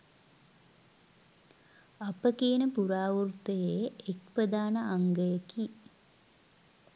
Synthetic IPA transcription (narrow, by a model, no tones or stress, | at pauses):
apəkiːnəpuɾaːʋurt̪əjeːek̚pɾəd̪aːnəʔaŋɡəjəki